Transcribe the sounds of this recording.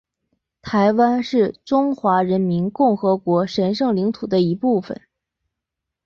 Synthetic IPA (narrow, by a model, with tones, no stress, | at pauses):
t̪ʰa˧˥ɪwa˥nʂɻ̩˥˩ʈ͡ʂʊ˥ŋxwa˧˥ɻə˧˥nmi˧˥nkʊ˥˩ŋxɤ˧˥kwɔ˧˥ʂə˧˥nʂɤ˥˩ŋli˧˥ŋt̪ʰu˨˩d̪ə˦i˧˥pu˥˩fə̰˨˩n